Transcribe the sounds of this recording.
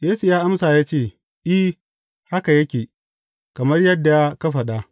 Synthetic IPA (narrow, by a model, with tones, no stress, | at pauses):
jeː˦su˨jaː˦ʔa˦msaː˨jaː˦t͡ʃeː˦˨ | ʔɪ˦ | ha˦ka˨jɐ˦kʲeː˨ | kɐ˨mɐ˦rjɐ˦dːa˨ja˦kɐ˦ɸa˨ɗa˦ʔ